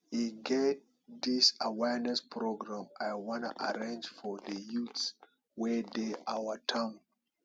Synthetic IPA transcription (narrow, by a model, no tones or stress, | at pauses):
iɡɛt̚ | disawɛɹnɛspʰɹoɡɹãmajwɔ̃nuʔa̰ɹẽnd͡ʒfɔðəjuts | wɛdeʔawətʰãm